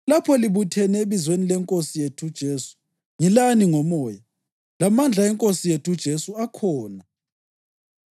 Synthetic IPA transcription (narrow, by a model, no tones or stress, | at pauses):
lapʰɔliβutʰɛnɛeβizwenilɛŋkʼosijetʰud̥ʒ̥ʱesu̥ | ŋilaniŋɔmɔːja | lamand͡ɮʱaɛŋkʼosijetʰud̥ʒ̥ʱesuakʰɔːna